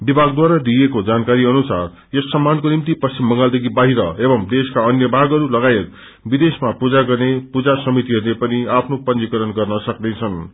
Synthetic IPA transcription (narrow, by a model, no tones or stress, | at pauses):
bibʱaɡd̪waɾad̪ijekod͡zankaɾiʌnusar | jʌsːʌmːankonimt̪ipʌst͡simːʌŋɡald̪ekʰibaɦiɾʌebʌmd̪eskaʌnjʌbʱaɡʌɾulʌɡajet̪̚ | bid̪esmapud͡zaɡʌrnepud͡zasʌmit̪iɦʌɾulepʌniapʰnopʌnikʌɾʌnɡʌrnʌsʌknet͡sʰʌn